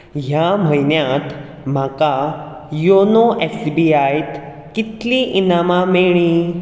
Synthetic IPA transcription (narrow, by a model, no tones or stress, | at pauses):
ɦjam̤əjnjãt̪ | m̤aka | jonoʔesbiajt̪ | kit̪liʔinamameɭĩ